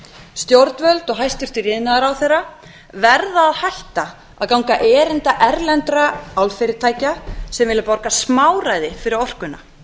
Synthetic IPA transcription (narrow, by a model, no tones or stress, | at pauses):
st̪joɾt̪nvœlt̪ɔɣɦajst̪ʏr̥t̪ɪɾɪðɪnaðaɾawθɛrːa | vɛɾðaːðhajht̪a | a̰ðkawŋkaʔɛːɾɪnt̪aʔɛɾlɛnt̪ɾaawlfɪɾɪɾt̪ʰaːjcasɛmvɪːlapɔɾkasmaːwrajðɪfɪɾɪɾɔr̥kʏnːa̰